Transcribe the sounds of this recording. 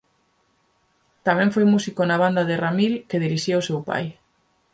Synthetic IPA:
t̪amɛ̃ɱfojmusikonaβ̞and̪aðeramilkeðiɾiʃiosewpa̰j

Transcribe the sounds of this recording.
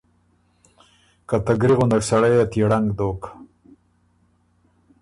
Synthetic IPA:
kat̪aɡɾiɣund̪aksaɽajat̪iɽaŋɡd̪oːk

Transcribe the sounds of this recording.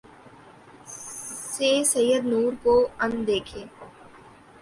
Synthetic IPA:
seːsɐjəd̪nuːɾkoɐ̃nd̪eːkʰeː

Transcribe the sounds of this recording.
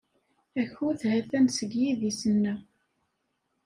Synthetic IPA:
æçʊθhæθænsəɡjiðisənːæ

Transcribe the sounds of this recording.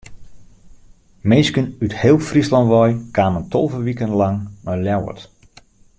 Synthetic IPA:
mejskənythɪːlˠfrislɑntʋɔjkʰaːməntʰolˠvəʋikənlaŋmaljawə̰t

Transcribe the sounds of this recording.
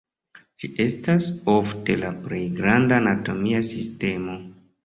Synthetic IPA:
d͡ʒiʔe̞staso̞fte̞lapɾe̞jɡɾandaːnato̞miasiste̞mo̞

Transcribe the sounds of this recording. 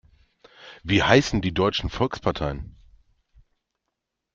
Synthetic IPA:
viːhaɪsn̩diːdɔʏt͡ʃn̩fɔlkspʰaɐtʰaɪən

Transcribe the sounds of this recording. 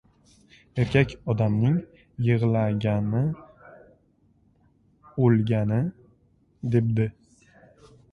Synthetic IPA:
e̞ɾkʲʰakʲɒd̪amnɪŋ | jɨʁlaɡʲanɪ | olˠɡʲanɪ | d̪eb̚d̪ɪ

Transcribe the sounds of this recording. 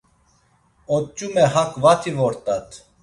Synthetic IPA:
ɔt͡ʃʼumɛhakvat̪ʰivɔɾt̪ʼat̪ʰ

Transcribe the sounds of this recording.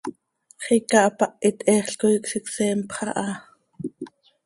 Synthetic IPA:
χikɑʔɑpɑʔit̪ʔɛːχɬkoiksiksɛːmpχɑ̰ʔɑ

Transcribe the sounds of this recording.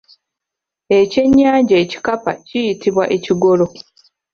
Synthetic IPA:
e̞ce̞ɲːaːɲɟaeci̥kapa̰cijitiβwa̰ʔe̞ciɡo̞lo̞

